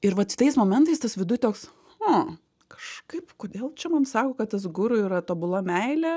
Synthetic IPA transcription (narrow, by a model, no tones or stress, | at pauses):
ɪɾʋɐt̪t̪ɐɪsmoːmʲɛnt̪ɐɪst̪ɐsʋʲɪd̪ʊɪt̪ʲoːks | o | kɐ̥ʃkɐɪpkoːd̪ʲeːlˠt͡ʃʲɛmɐnsɑːkoːkɐt̪t̪ɐs̬ɡʊɾʊiːɾɐt̪oːbʊlˠɐmʲɛɪlʲɛ